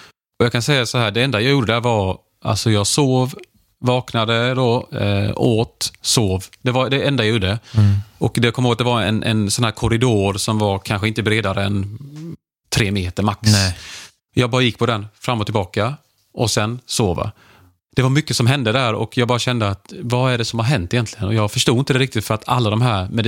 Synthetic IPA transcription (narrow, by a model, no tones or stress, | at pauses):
ɔjɑːkʰansɛjːasɔɦæːɖɛɛnd̪ajɑɡjuːɖəd̪æɾvɑɾ | ʔa̰lsɔjɑːɡsoːv | vɑːknad̪əd̪ɔ | oːt̪soːvd̪̥ɛvad̪ɛɛnd̪ajjuːɖəəɔkd̪ɛjkʰɔmoːɡat̪̚d̪ɛvaɾɛ̰nʔɛ̰nsɔnhæːɾkʰɔɾɪd̪oːɾsɔmvaɾkʰanɧəɪnt̪əbɾeːd̪aɾəɛ̰n | t̪ʰɾeːmeːt̪əɾmaks | jɑːɡ̚bɑːɾajɪkːpʰɔd̪ɛnfɾamːɔt̪ʰɪlbɑːka | ʔɔsɛnsoːva̰ | d̪̥ɛvaɾmʏkːəsɔmɦɛnd̪əd̪ɛæːɾɔ̰kjɑːɡ̚bɑːɾaɕɛnd̪əat̪vaæɖɛsɔmhaɾɦɛnt̪ːɪjɛnt̪lɪɡənɔjɑːɡfœʂʈuːd̪ɪnt̪əd̪ɛɾɪkt̪ɪt̪fœɾat̪ʰa̰lːad̪ɔmɦæːɾmɛ